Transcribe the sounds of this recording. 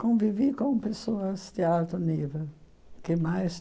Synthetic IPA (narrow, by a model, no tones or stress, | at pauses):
kõvivikõŋpesoɐzd̪ɪalt̪ʊnivel | kɪmajs